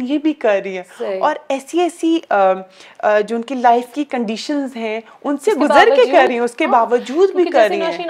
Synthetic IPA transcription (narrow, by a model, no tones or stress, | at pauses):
njebʱikɐɾːɐɦiɦɛ̃ːɔːɾɛːsiɛːsi | d͡ʒoːʊnkilaːɪfkikɐ̃ɳɖiːʃənzɦɛ̃ | ʊnseɡʊzəɾkekɐɾɾːɐɦĩɛ̃ʊskebaːʋəd͡ʒuːd̪bʱikɐɾɐɦĩɦɛ̃